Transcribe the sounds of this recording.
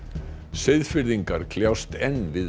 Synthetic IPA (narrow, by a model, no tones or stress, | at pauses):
sɪjðfɪɾðiŋkaɾ̥kʰljawst̪ɛnːvɪð